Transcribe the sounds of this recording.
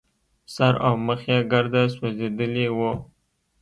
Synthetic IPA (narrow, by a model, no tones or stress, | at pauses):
saɾawməxaɡaɾd̪aswazed̪əlewo